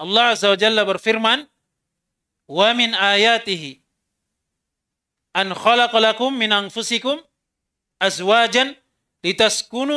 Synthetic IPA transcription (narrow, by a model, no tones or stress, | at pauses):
ʔɑlˤːɑːʕazːawad͡ʒalːabɑɾˤfɪɾman | wamɪnʔaːjaːt̪ɪhɪ | ʔanxɑlɑqlakʊmːɪnʔanfʊsɪkʊm | ʔazwaːd͡ʒan | lɪt̪askʊnu